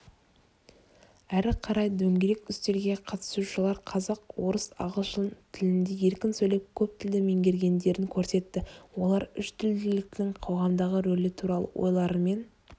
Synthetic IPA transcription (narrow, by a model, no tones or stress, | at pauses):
æɾɪqʰɑɾɑjd̪ɵŋɡʲeɾe̞kʲʏst̪e̞ɾɡʲe̞qʰɑt̪ə̥suʃəlˠɑɾqʰɑzɑqwo̞ɾəsɑ̰ʁəlˠʃnt̪ʰɪlɪnd̪e̞je̞ɾkʲɪnsɵjle̞p̚kʲʰɵp̚t̪ʰɪld̪ɪmeŋɡʲe̞ɾɡʲe̞nd̪e̞ɾɪŋkʲʰɵɾse̞t̪ːɪwo̞lˠɑɾʏʃt̪ʰʏld̪ɪlɪk̪̚ɪɴqʰo̞wʁɑmd̪ɑʁəɾɵlɪt̪ʰuɾɑlˠə̰wʔo̰jlˠɑɾəme̞n